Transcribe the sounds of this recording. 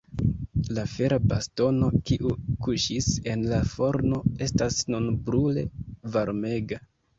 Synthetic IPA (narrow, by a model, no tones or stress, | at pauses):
lafe̞ɾabasto̞no̞kiʔukuʃise̞nlafo̞ɾno̞e̞stasnunbɾule̞vaɾme̞ɡa